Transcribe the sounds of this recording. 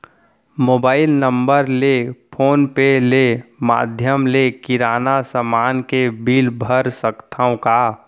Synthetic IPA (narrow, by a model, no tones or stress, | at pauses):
moːbaːɪlnəmbəɾlepʰoːnpelema̰ːd̪ʱjəmlekɪɾaːnasəmaːnkebiːlbʱəɾsəkt̪ʰəõka